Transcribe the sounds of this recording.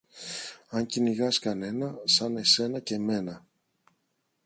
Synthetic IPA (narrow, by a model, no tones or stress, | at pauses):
ɐɲciniɣɐskɐne̞nɐsɐne̞se̞nɐce̞me̞nɐ